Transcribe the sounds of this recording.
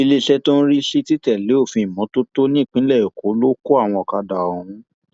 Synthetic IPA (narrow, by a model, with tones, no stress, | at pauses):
i˧le˦ʃɛ˦to˦n̩˦ɾi˦ʃi˦ti˦tɛ˦˨le˨˦o˦˨fĩ˧˨i˨mɔ̃˨˦to˦to˦nĩ˦˨k͡pĩ˦lɛ˦˨o˨ko˨˦lo˦ko˦a˦˨w̃ɔ̃˧ɔ˨ka˧da˨ɔ˨hũ˨˦